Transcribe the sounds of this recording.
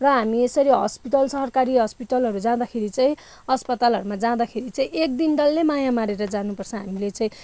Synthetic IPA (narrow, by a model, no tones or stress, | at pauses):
rʌɦamiesʌɾiɦʌ̰spiʈʌlsʌɦʌrkaɾiɦʌspiʈʌlɦʌɾud͡zãd̪akʰeɾit͡saĩ | ʌspʌt̪alɦʌɾumad͡zãd̪akʰeɾit͡sʌĩʔek̚d̪inɖʌlːemajamaɾeɾʌd͡zanupʌrt͡sʰʌ̃ɦamilet͡sʌ̃ĩ